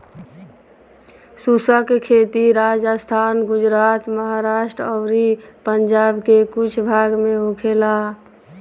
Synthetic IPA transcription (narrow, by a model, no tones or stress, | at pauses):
susəkkʰet̪iɾad͡ʒəst̪ʰanɡud͡ʒɾat̪məɦaɾaʃʈɾɔʊɾipənd͡ʒabkekut͡ʃʰbʱaɡmeɦokʰela